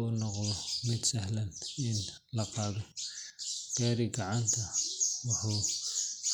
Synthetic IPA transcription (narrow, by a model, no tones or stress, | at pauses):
ʊnɔqðɔmɪd̪sɐhlɐnɪn | lɐfɑːðɔ | d̥ɛːɾɪɡɑʕant̪ʰɐwɑħuː